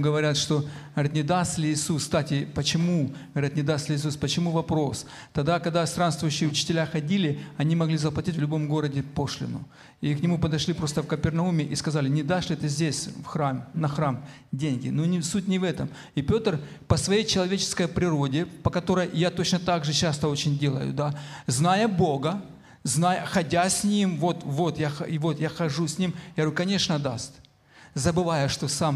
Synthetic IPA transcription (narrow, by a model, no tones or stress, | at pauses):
ɡəvɐɾʲat̪ʂt̪o̞əɐɾʲat̪nʲɪd̪ast̪lʲɪːsukst̪atʲɪpət͡ɕɪmuɡəvɐɾʲat̪nʲɪd̪ast̪lʲɪiːs̬uspət͡ɕɪmuvɐpɾo̞s | t̪ɐɡd̪akɐɡ̚d̪ast̪ɾanst̪vʊjɕːɪjʊt͡ɕɪ̥tʲɪlʲaxɐdʲilʲɪɐnʲimɐɡlʲizəplˠɐtʲitʲvlʲʊbo̞mɡo̞ɾədʲɪpo̞ʂlʲɪ̰nʊ̰ | iknʲɪmupəd̪ɐʂlʲipɾo̞st̪əfkəpʲɪrnɐumʲɪʔiskɐzalʲɪnʲɪd̪aʂlʲɪt̪ɨzʲdʲesʲfxɾamnɐxɾam | dʲenʲɡʲɪ̰nunʲɪsut̚ʲnʲɪvɛt̪əm | ipʲo̞t̪rpɐsvɐjejt͡ɕɪlˠɐvʲet͡ɕɪ̥skəjpɾʲɪɾo̞dʲɪpɐkɐt̪o̞ɾəjːat̪o̞t͡ɕnət̪aɡʐɨt͡ɕast̪əo̞t͡ɕɪnʲdʲe̞lˠə̰jʊ̰d̪aznajəbo̞ɡə | znajəxɐdʲasʲnʲimvo̞t̪vo̞t̪jaxɐɪvo̞t̪jaxɐʐusʲnʲimjaɡɾkɐnʲe̞ʂnəd̪ast̪ʲ | zɐbɨvajəʂt̪o̞sam